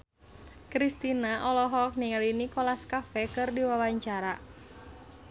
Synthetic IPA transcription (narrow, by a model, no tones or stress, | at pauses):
kɾist̪inaʔɔlɔɦɔk̚niŋalinikɔlaskafɛkɨrdiwawaɲt͡ʃaɾa